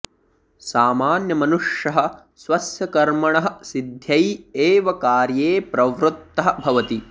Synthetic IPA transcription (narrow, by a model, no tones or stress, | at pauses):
saːmaːnjɐmɐnuʂjɐɦɐ̆ | sʋɐsjɐkɐɾmɐɳɐɦɐ̆sid̪ʱjɐjeːʋɐkaːɾjeːpɾɐʋɾut̪ːɐɦɐ̆bʱɐʋɐt̪i